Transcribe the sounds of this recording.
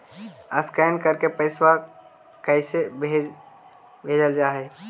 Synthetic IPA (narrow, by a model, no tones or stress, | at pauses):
ə̰skɛːnkəɾkepəɪswa | kəɪsebʱe | bʱeːd͡ʒəld͡ʒaːɦeː